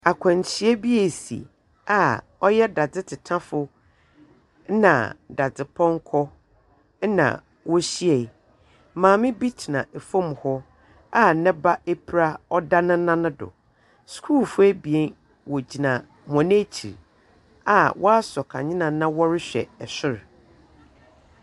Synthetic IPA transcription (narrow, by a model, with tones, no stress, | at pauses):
a˨kʷʰɔ̃˨ɲ˨t͡ɕʰɪ˦ɛ˦bi˦e˨sḭ˨ | a˨ | ɔ˦jɛ˦da˨d͡zɪ˦tʰɪ˨tʰã˦fʊ˦ | nã̰˨da˨d͡zɪ˨pʰɔ̃˦ŋ˦kʰɔ˦ | nã̰˨ | wɔ˦ɕi˦ɛ˨˦ | mãː˨mɪ̃˦bi˦tʰi˨nã̰˨e˨fõ˦mhɔ˦ | a˦nɛ̃˦ba˦e˦pʰi˨ɾa˦ɔ˦da˦nʊ̃˦nã˦nʊ̃˦dʊ̰˨ | skʰuː˦lfʊ˦æ˦bi˨ɛ˦n | wɔ˨d͡ʑi˨nã˨ | m˨ɔ̃˨nɪ̃˦t͡ɕʰḭ˨ɾ | a˨wɔ˦a˦sɔ˨kʰa̰˨ɲɪ̃˦nã˨nã˦wɔ˦ɾɪ˦ɕᶣɛ̰˨ɛ˨ɕɪ˦ɾ